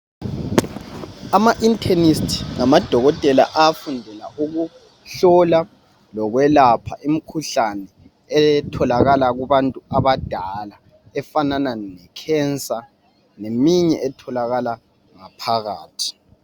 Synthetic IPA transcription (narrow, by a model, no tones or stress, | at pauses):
amaʔintʰɛnistʰi̥ŋamad̥ʱɔɣɔtʼɛla̰ʔafundʱɛla̰ʔuɣu | ɬɔla | lɔɣwɛlapʰa̰ʔim̩kʰuɬanɛ | ɛtʰɔlaɣalaɣuβantʼuaβad̥ʱala | ɛfanananɛkʰɛnt͡sʼa | nemiɲɛ̰ʔɛtʰɔlaɣala | ŋapʰaɣaːtʰi̥